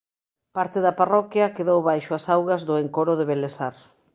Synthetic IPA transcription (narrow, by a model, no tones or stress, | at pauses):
paɾt̪ɪðɐparɔkjɐkeðowβajʃʊasawɣɐzðʊeŋkoɾʊðeβelesaɾ